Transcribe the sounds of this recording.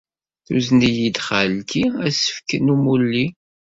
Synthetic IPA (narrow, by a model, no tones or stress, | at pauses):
θṵznijid̪χəlkiæsə̥fkənumulːi